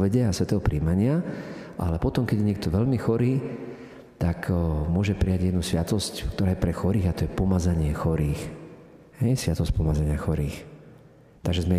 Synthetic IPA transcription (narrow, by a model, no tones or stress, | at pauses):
ʋɛɟɛasʋɛt̪ɛɦɔpɾiːmaɲɪaʔa̰lɛpɔt̪ɔmkɛɟjɛɲɪɛk̚t̪ɔʋɛʎmixɔɾiː | t̪akmʊɔʒɛpɾijaɟjɛd̪nusʋɪat̪ɔsckt̪ɔɾaːjɛpɾɛxɔɾiːɣat̪ɔjɛpɔmad͡zaɲɪɛxɔɾiːx | hɛjsʋɪat̪ɔsc̚pɔmad͡zaɲɪaxɔɾiːx | t̪aɡʒɛzmɛ